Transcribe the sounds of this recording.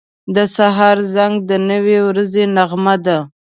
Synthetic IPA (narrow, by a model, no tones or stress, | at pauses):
d̪əsaɦɑɾzaŋɡ̚d̪ənəwewɾazenaɣmad̪a